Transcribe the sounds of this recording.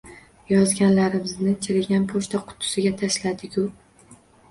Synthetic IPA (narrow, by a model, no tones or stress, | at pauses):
jɒzɡʲanlaɾɪmɪznɪt͡ʃʰɪɾɪɡʲanpʰoʃt̪ʰaqʰʊ̥t̪ʰːʊ̥sɪɡʲat̪ʰaʃlad̪ɪkʲʊ